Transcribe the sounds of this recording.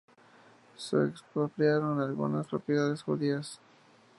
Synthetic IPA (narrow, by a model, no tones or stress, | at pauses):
sḛekspɾopɾjaɾo̞nalɣṵnaspɾo̞pjeðaðe̞sxuðias